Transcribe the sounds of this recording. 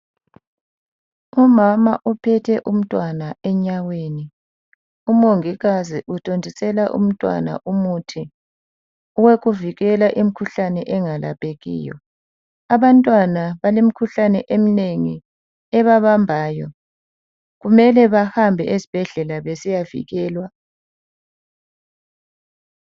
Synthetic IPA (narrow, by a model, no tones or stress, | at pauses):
umamaʔupʰɛtʰɛʔum̩tʼwanaɛɲaweːni | umoŋiɣaziʔutʼondʱisɛlaʔṵm̩tʼwa̰na̰ʔumutʰi | uweɣuviɣɛlaʔim̩kʰuɬanɛʔɛŋala̰pʼeɣḭːjɔ̰ | aβantʼwanaβalem̩kʰuɬanɛʔem̩neŋi | ɛβaβambʱaːjɔ | ɣumɛlɛβahambʱɛʔezib̥ʱɛɮɛlaβesijavḭɣɛːlwa